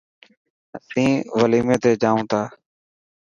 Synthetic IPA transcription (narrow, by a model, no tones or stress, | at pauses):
əsĩːʋəliːmẽːt̪eːd͡ʒaːũːt̪ʰaː